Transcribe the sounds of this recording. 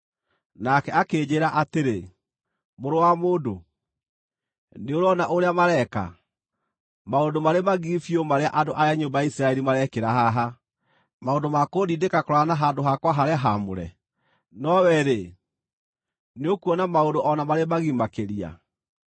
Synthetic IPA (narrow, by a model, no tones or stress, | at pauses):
nakɛakeːd͡ʑeːɾaʔateɾe | moɾowamoːdo | neoɾoɔnaʔoɾeamaɾɛka̰ | maondomaɾemaɣifiomaɾeaʔandoʔaɾeaɲombajaisɾaɛɾimaɾɛkeɾaɦaɦa | maondomakodidekakɔɾɔanaɦandoɦakwaɦaɾeaɦamoɾɛ̰ | nɔwɛɾe | neokuɔnamaondoʔɔnamaɾemaɣimakeɾia̰